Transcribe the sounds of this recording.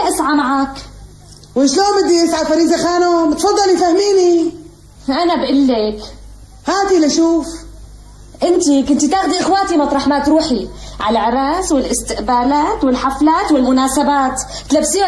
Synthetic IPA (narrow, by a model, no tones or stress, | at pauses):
ʔɪsʕamaʕaːk | wɪʃloːmɪd̪ːiʔɪsʕafaɾiːzaxaːnomt̪fɑd̪ˤːɑljfahmiːni | ʔanabʔɪlːɪk | haːt̪ilaʃuːf | ʔɪnt̪ikʊnt̪it̪aːxd̪iʔɪxwaːt̪imɑt̪ˤɾˤɑħmaːt̪ɾuːħiʕa̰laʕɪɾˤɑːswɪlʔɪst̪ɪʔbaːlaːt̪wɪlħaflaːt̪wɪlmʊnaːsabaːt̪ | t̪labsiː